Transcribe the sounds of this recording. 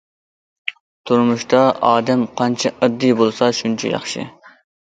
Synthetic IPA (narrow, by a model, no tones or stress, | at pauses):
t̪ʰuɾmuʃt̪ɑɑːd̪ɛmqʰɑnt͡ʃʰɛʔɨd̪ːijbolˠsɑʃunt͡ʃʰɛ̰jɑ̰χʃɪ̰